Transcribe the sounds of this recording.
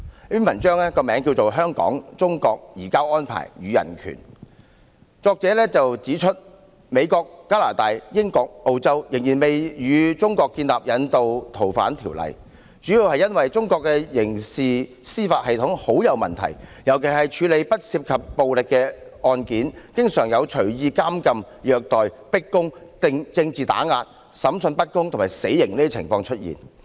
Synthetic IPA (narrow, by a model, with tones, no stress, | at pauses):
y˥nmɐ˨˩nt͡ʃœː˥ŋɛː˥kɔː˧mɛː˨˥ŋk̬i˧wt͡so˨wɦœː˥ŋkɔ̰ː˨˥ŋt͡sʊ˥ŋkɔː˧k̚jiː˨˩kaː˥wɔː˥npʰa̰ː˨˩jjyː˨˧jɐ̰˨˩nkʰy̰ː˨˩n | t͡sɔː˧k̚t͡sɛː˨˥lɛː˥t͡sɐ˨wt͡siː˨˥t͡ʃʰɵ˥t̚ | me˨˧jkɔː˧kːaː˥la̰ː˨˩t̪aː˨˧jjɪ˥ŋkɔː˧k̚ʔo˧wt͡sɐ˥wjɪ˨˩ŋjiː˨˩nme˨jjyː˨˧t͡sʊ˥ŋkɔː˧kːiː˧nlaː˨p̚jɐ˨˧nt̪o˨wt̪ʰo˨˩wfa̰ː˨˥nt̪ʰḭː˨˩wlɐ̰˨j | t͡syː˨˥jiː˧whɐ˨jɐ˥nwɐ˨jt͡sʊ˥ŋkɔː˧kːɛː˧jɪ˨˩ŋsiː˨ | siː˥faː˧t̚hɐ˨jt̪ʰʊ˨˥ŋho˨˥wjɐ˨˧wmɐ̰˨nt̪ʰɐ̰˨˩jjɐ˨˩wkʰe˨˩ɦɐ˨jt͡ʃʰyː˨˧le˨˧jpɐ˥t̚siː˧p̚kʰɐ˨p̚ːo˨wlɪ˨kːɛː˧ɔː˧nkiː˨˥nkɪ˥ŋsœː˨˩ŋjɐ˨˧wt͡ʃʰɵ˨˩jiː˧kaː˥mkɐ˧m | jœː˧k̚t̪ɔː˨j | pɪ˥kːʊ˥ŋt̪ɪ˧ŋt͡sɪ˧ŋt͡siː˨t̪a̰ː˨˥ŋaː˧t̚ | sɐ˨˥msɵ˧npɐ˥t̚kʊ˥ŋt̪ʰʊ˨˩maː˨˩jse˨˥jːɪ˨˩ŋniː˥i˥t͡sʰɪ˨˩ŋfɔː˧ŋt͡ʃʰɵ˥t̚jḭː˨˩n